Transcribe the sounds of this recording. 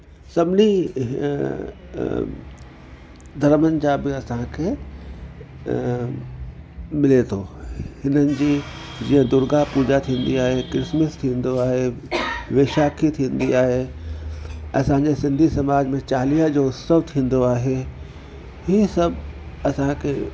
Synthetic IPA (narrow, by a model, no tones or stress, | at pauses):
sɐbni | d̪ʱɐɾmənd͡ʑabɪɐsãkʰe | mɪlet̪ʰoːhɪnənɪ̆d͡ʑiː | d͡ʑĩːə̃d̪ʊɾɡaɦpuːd͡ʑat̪ʰĩːnd̪iaːɦekɾɪsməst̪ʰĩːn̆d̪oaːɦeʋeːʃaːkʰit̪ʰĩːn̆d̪iaːɦe | ɐ̰sãɲd͡ʑesɪ̃nd̪ʱisɐmaːd͡ʑmẽt͡ɕaːlijəd͡ʑoʊsəʋt̪ʰĩːn̆d̪oaːɦe | ɦisɐbɐsãkʰe